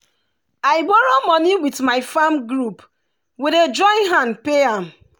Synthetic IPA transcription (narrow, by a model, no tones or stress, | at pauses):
aɪbɔɹomɔniwitmaɪfãmɡɹup | wided͡ʒɔ̃ɪ̃nɦãndpeãm